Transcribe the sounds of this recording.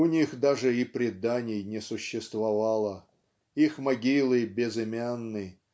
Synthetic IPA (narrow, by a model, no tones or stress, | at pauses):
ʊnʲixd̪aʐɨipɾʲɪd̪anʲɪjnʲɪsʊɕːɪst̪vɐvalˠə | ixmɐɡʲilˠɨbʲɪzɪmʲanːɨ